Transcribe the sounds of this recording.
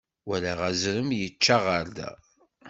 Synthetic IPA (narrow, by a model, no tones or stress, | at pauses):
wælæʁæzɾəmjət͡ʃːaʁəɾd̪æ̰